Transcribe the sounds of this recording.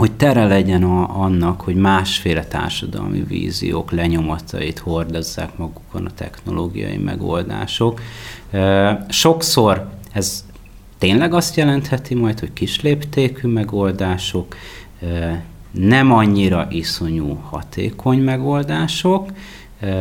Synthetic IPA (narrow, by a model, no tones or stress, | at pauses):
ho̞ct̪ɛɾɛlɛɟɛnɒnːɒkho̞ɟmaːʃfeːlɛt̪a̰ːrʃɒd̪ɒ̰lmḭvḭːzḭjo̰ːklɛɲo̞mɒt̪ɒ̰it̪ho̞rd̪ozːa̰ːkmɒɡukʰo̞nɒt̪ɛ̰xno̞̰loːɡijɒ̰jḭmɛ̰ɡo̞̰ld̪a̰ːʃo̞k | ʃo̞kso̞rɛz | t̪eːnlɛɡɒst̪jɛlɛnt̪hɛt̪imɒjt̪ho̞ckiʃleːpt̪eːkymɛɡo̞ld̪aːʃo̞k | nɛmɒɲːiɾɒʔiso̞ɲuːhɒ̰t̪ʰḛːkʰo̞ɲmɛɡo̞ld̪aːʃok